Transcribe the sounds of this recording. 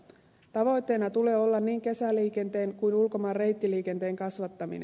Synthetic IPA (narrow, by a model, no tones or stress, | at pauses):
t̪ɑʋo̞jt̪ːe̞nɑt̪ule̞ːo̞lːɑnniːŋke̞sæliːke̞nt̪e̞ːŋkujnulko̞mɑːrre̞jt̪ːiliːke̞nt̪e̞ːŋkɑsʋɑt̪ːɑmḭnen